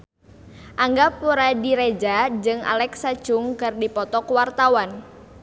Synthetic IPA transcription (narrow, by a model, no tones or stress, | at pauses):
ʔaŋɡapuɾadiɾed͡ʒad͡ʒɨŋa̰lɛksat͡ʃʊŋkɨrdipɔt̪ɔkwart̪awan